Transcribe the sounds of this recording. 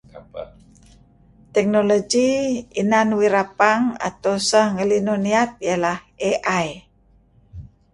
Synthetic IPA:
t̪ɛk̚noloɡiinanwiɾapaŋa̰t̪awsahŋəlinoniat̪̚jalah | eʔaj

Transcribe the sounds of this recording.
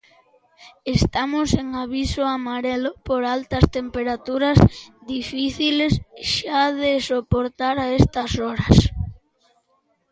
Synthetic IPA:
est̪amʊseŋaβisʊamaɾelʊpoɾalt̪ɐst̪empeɾat̪uɾɐzðifiθilesʃaðesopoɾt̪aɾaest̪ɐsɔɾɐs

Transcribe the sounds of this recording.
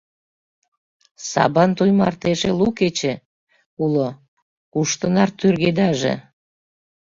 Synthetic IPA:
sɑ̰βɑnt̪ujmɑ̰rt̪eʒeluket͡ɕe | ulo | kuʃt̪ənɑrt̪yrɣed̪ɑʒḛ

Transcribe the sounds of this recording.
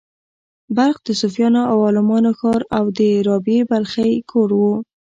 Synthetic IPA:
baɾxd̪əsʊfjɑnoawɑlɪmɑnoxɑɾawd̪əɾɑbebalxajkʰoɽwu

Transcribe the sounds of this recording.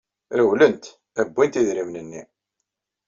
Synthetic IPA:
ɾəwlənt̪ | æbʷːint̪iðɾimnənːḭ

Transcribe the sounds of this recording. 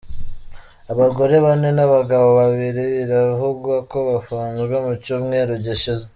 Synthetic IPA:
aβaɡo̞ɾe̞βanenaβaɡaβoβaβiɾeβiɾavuɡwako̞βafuːnzwomucumŋe̞ːɾoɟiʃize

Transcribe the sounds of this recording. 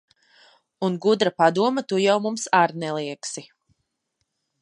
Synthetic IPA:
unɡud̪ɾapad̪uɔmat̪ujawmumsaɾnɛlˠiɛksi

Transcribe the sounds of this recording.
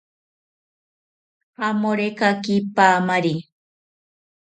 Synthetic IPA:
amoɾekakipaːmaɾi

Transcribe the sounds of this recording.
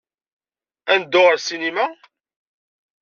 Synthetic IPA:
ænd̪ːʊʁəɾsinimæ

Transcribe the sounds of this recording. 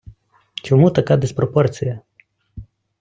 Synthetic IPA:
t͡ʃʲomut̪ɐkad̪espɾoport̪sija

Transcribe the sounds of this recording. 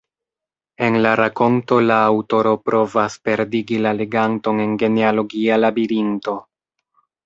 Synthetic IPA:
e̞nlaɾako̞nto̞laːwto̞ɾo̞pɾʔo̞vaspe̞ɾdiɡilale̞ɡanto̞ne̞nɡe̞nealo̞ɡialabiɾinto̞

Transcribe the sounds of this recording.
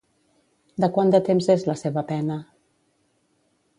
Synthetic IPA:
d̪əkwand̪ət̪emzezləseβəpɛnə

